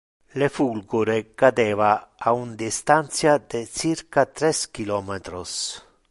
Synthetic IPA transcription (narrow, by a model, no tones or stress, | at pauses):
lefulɡuɾekad̪eːvaːund̪ist̪ant̪sjad̪esiɾkat̪ɾɛskilɔːmet̪ɾos